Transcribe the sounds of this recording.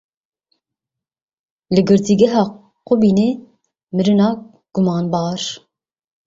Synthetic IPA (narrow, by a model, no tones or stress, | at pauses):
lɨɡɨɾt̪ʰiɡɛɦɑː | qobine | mɨɾɨnɑː | ɡ̥umɑːnbɑːɾ